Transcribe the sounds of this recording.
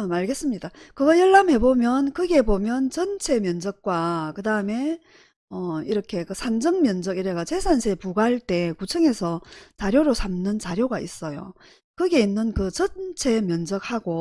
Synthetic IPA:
amaɭɡe̞s͈ɯmɲidakɯɡʌɭjʌɭːamhe̞bomjʌnkɯɡe̞bomjʌnt͡ɕʌnt͡ɕʰe̞mjʌnd͡ʑʌk̚k͈wakɯdaɯme̞ | ʌiɾʌkʰe̞kɯsʰand͡ʑʌŋmjʌnd͡ʑʌɡiɾeɡat͡ɕe̞sʰansʰepuɡaɦaɭt͈e̞kut͡ɕʰɯŋe̞sʰʌt͡ɕaɾjoɾosʰamnɯnt͡ɕaɾjoɡais͈ʌjo̰ | kɯɡe̞inːɯnkɯt͡ɕʌnt͡ɕʰe̞mjʌnd͡ʑʌk̚haɡo

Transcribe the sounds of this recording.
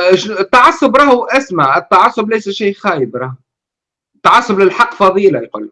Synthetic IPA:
ʃnɪt̪ːaʕɑsːʊbɾˤɑːhʔasmaʕɪt̪ːaʕasːʊblæjsæʃiːxæːjɪbɾˤɑːh | t̪ːaʕɑsːʊblɪlħaqːfɑðˤiːlajqṵlːk

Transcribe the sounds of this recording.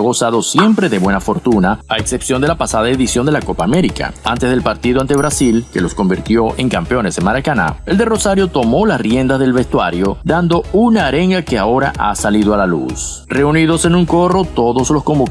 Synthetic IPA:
ɣo̞saðo̞sje̞mpɾe̞ðe̞βwenafo̞ɾt̪unaaekse̞psjo̞nd̪e̞lapasaðaeðisjo̞nd̪elako̞paːme̞ɾika̰ant̪ezð̞e̞lpaɾt̪iðoant̪e̞β̞ɾasilke̞lo̞sko̞mbiɾt̪jo̞ʔe̞ŋkampeo̞ne̞semaɾakana̰e̞ld̪e̞ro̞saɾjo̞t̪o̞mo̞lasrjend̪azðe̞lβe̞st̪waɾjo̞d̪and̪o̞unaːɾe̞ŋɡake̞ao̞ɾa̰ʔasaliðoalalṵs | re̞uniðo̞se̞nuŋko̞ro̞t̪o̞ðo̞slo̞sko̞mbo

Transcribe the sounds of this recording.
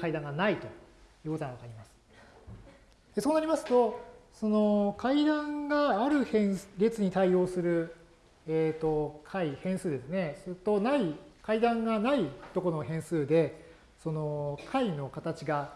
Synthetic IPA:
kaid̪ãŋɡanait̪o̞jɯ̟ːko̞t̪oŋaβakaɾʲimasɨ̥ | d̪̥e̞so̞ːnaɾʲimasɨ̥t̪o̞so̞no̞kʰaid̪ãŋɡaːɾɯ̟hẽɰ̃ɾʲe̞t͡sɨɲ̟it̪aio̞ːsɨɾɯ̟ | et̪o̞kʰaihẽ̞ɰ̃sɨːd̪e̞sɨne̞sɨt̪ːo̞naikaid̪ãŋɡanait̪o̞ko̞noɦẽ̞ɰ̃sɨːd̪e̞ | so̞no̞kʰaino̞kat̪at͡ɕiɡa

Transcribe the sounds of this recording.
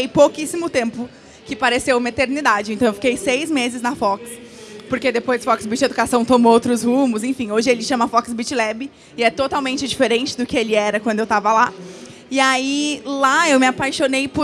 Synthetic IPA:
ejpowkisimʊt̪ẽmpʊ | kɪpaɾesewmɐet̪eɾnid̪ad͡ʒɪẽnt̪ɐ̃w̃ewfi̥kejsejzmezɪznɐfɔks | poɾked̪epojzd͡ʒɪfɔksbit͡ʃɪed̪ukasɐ̃w̃t̪õmoowt̪ɾʊshũmʊsẽfĩoʒɪelɪʃɐ̃mɐfɔksbit͡ʃilɛbɪ | ɪɛt̪ot̪awmẽnt͡ʃɪd͡ʒifeɾẽnt͡ʃɪd̪ʊkɪelɪɛɾɐkwɐ̃d̪ʊewt̪avɐla | ɪailaewmɪapajʃonejpʊ

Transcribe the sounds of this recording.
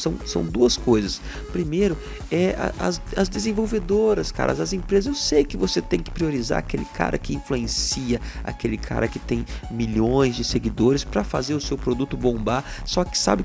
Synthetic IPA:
sɐ̃w̃sɐ̰̃w̃d̪uɐskojzɐs | pɾimejɾʊ | ɛɐ̰ʔɐ̰zɐzd̪ezẽvowved̪oɾɐska̰ɾʔɐ̰zɐzẽpɾezɐzewsejkɪvoset̪ẽj̃kɪ̥pɾioɾiza̰ɾakelɪkʰa̰ɾʔɐkɪĩfluẽsiɐa̰kelɪkʰa̰ɾɐkɪt̪ẽj̃miʎõj̃zd͡ʒɪseɡid̪oɾɪspɾɐfa̰zeɾʊsewpɾod̪ut̪ʊbõmbasɔkɪ̥sa̰bɪ

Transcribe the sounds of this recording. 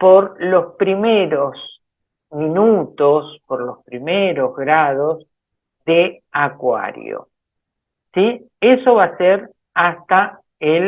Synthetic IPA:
poɾlo̞spɾimeɾos | minut̪ospoɾlo̞spɾimeɾo̞zɣɾað̞o̞s | ðe | akwa̰ɾj̰o̰ | si | eso̞βaseɾ | ast̪a | el

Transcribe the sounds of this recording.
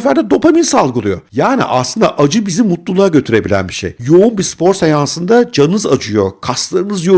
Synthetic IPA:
fæɾd̪ɛd̪o̞pʰaminsalˠɡɯlˠujo̞̰jaːnḭʔa̰slˠɯnd̪a̰ʔad͡ʒɯbizimut̪lˠulˠaɾaɟø̞t̪ʰyɾe̞bilʲæ̰nbiʃḛjjo̞unbispo̞ɾsajansɯnd̪ad͡ʒanɯzad͡ʒɯjo̞kʰaslˠaɾɯnɯzjo̞

